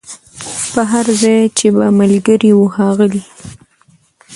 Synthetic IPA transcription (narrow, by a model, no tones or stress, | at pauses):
pəɦaɾzɑjt͡ʃebamalɡəɾiwuxɑɣəli